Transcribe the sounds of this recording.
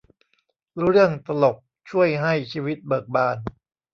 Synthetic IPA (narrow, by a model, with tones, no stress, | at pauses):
ɾɾɯ˥˩əŋt̪a˧lo˨˩p̚t͡ɕʰu˥˩əjɦa˥˩jt͡ɕʰiː˧wi˦˥t̪̚bɤː˨˩k̚baː˧n